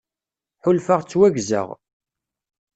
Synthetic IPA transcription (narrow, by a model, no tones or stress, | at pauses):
ħʊlfaʁt͡sːwæɡzə̰ʁ